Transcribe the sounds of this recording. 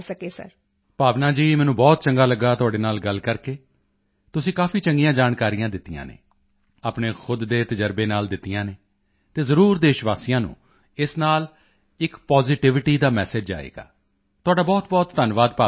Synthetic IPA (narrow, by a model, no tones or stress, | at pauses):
səkeːsə̰ɾ | paːʋnaːd͡ʒiːmɛːnũːbɔːt̪̚t͡ʃəŋɡaːləɡaːt̪ʊaːɖeːnaːlɡəlkəɾkeː | t̪ʊsĩːkaːfiːt͡ʃəŋɡijãːd͡ʒaːnkaːɾijãːd̪ɪt̪ːijã̰ːnḛː | aːpɳeːxʰʊd̪ːeːt̪əd͡ʒəɾbeːnaːld̪ɪt̪ːijãːneː | t̪eːzəɾuːɾd̪eːʃʋaːsijãːnṵ̃ː | ɪsnaːl | ɪkpɔːzɪʈɪʋɪʈiːd̪aːmɛ̰ːsed͡ʒa̰ːḛːɡa̰ː | t̪ʊaːɖaːbɔːt̪bɔːt̪d̪ənʋaːd̪paː